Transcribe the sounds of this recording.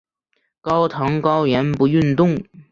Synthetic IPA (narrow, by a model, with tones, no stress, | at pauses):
kɑ˥ʊt̪ʰɤ˧˥ŋkɑ˥ʊɥɛ˧˥npu˧˥y˥˧nt̪ʊ˥˩ŋ